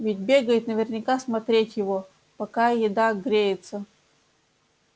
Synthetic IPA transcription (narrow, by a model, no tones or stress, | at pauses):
vʲɪt̚ʲbʲeɡəjɪt̪nəvʲɪrnʲɪkasmɐt̪ɾʲetʲjɪvo | pɐkajɪd̪aɡɾʲejɪt̪sə